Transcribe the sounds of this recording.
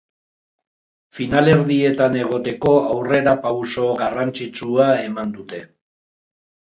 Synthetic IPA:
finale̞ɾðie̞t̪ane̞ɣ̞o̞t̪e̞ko̞awre̞ɾapawso̞ɣarant͡ʃit͡suae̞mand̪ut̪e̞

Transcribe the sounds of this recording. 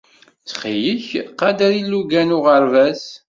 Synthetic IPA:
t͡sχijəçqɑd̪ɾilːuɡænʊʁəɾvæs

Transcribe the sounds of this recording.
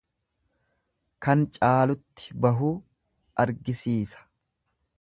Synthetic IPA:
kɐnt͡ʃʼaːlʊt̪ːɪ̥bɐɦuː | ʔɐɾɡɪsiːsɐ̥

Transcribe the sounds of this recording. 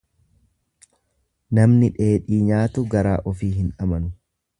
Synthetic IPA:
nɐmnɪᶑe̞ːᶑiːɲaːt̪ʊɡɐɾaːʔɔfiːhɪnᶑɐmɐnʊ

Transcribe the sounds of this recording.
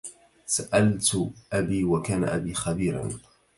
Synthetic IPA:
saʔalt̪ʔabiːwakaːna̰ʔabiːxabiːɾa̰n

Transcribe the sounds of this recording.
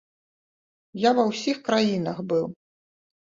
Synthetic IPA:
javɐwsʲixkɾajinɐxbɨw

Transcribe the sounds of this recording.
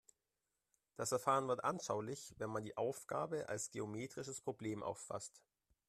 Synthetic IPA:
d̥asfɛɐfaːʁ̞ənvɪɐtʔanʃaʊlɪçvɛnmandiːʔaʊfɡ̥a̰ːbəʔa̰lsɡ̥ḛomeːtʁ̥ɪʃəspʁ̥obleːmʔa̰ʊfːa̰st

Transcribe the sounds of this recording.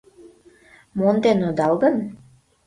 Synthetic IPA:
mond̪enod̪ɑlɣən

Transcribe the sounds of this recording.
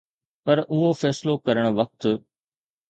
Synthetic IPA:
pɐɾʊɦofɛːslokɐɾəɽ̃ʊ̆ʋɐk̚t̪

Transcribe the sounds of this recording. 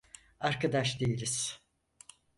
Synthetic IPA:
aɾkad̪aʃd̪ejilʲiz̥

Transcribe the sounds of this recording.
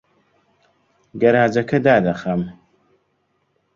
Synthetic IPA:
ɡɐɾaːd͡ʒɐkɐd̪aːd̪ɐxɐm

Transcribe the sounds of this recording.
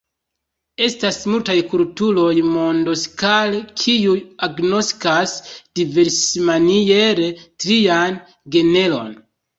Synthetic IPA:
e̞stasmultajkultulo̞jmo̞ndo̞skalkʰijuaɡno̞skasd̥ive̞ɾsmanijeɾetɾijan | ɡe̞ne̞lo̞̰n

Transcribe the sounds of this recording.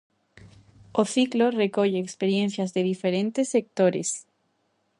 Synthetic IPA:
oθikloreko̞ʝeːkspeɾje̞nθjazðe̞ðifeɾe̞nt̪esːe̞k̚t̪o̞ɾḛs

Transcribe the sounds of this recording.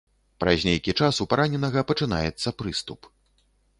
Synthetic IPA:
pɾa̰zʲnʲejkʲit͡ʂasupaɾanʲɛnɐɣɐpɐt͡ʂɨna̰jɛt̪sːɐpɾɨst̪up

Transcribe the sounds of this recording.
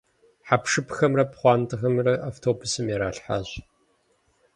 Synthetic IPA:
ħapʂɨpxɐmrɐpχʷɑːntʰɨxɐmrɐʔaːftʰoːbʊsɨmjɛɾaːɬħa̰ːɕ

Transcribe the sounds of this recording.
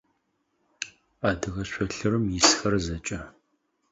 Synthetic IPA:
aːdɨɣɐɕʷɔɬɨɾɨmjɪsxɐrzɐt͡ʃʼɐ

